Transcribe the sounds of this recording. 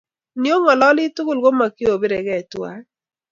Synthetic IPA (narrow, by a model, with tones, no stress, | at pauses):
ni˨o˦ŋɔ˨lɔ˦lɪ˦tʊ˦ɡʊ˦˨lɡo˦ma˨kɪ˦o˨be˦ɾɛ˨ɡɛ˦˨twa̰˦